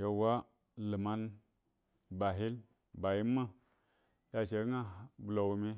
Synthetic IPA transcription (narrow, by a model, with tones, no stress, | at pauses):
je˧wa˦ | lɨ˨ma˧n | ba˨ɦi˦l | ba˨ji˦ma˦ | ja˧˨ʃe˧˦ŋa˦blo˨wu˧mi˧